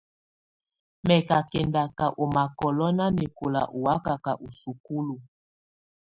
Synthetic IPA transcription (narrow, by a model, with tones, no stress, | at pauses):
mɛ˨ka˨kɛ˨nda˨ka˨ʔo˨ma˨kɔ˨lɔ˦na˦ni˨ko˨la̰˨ʔu˨wa˦ka˨ka˨ʔu˨su˨ku˦lu˨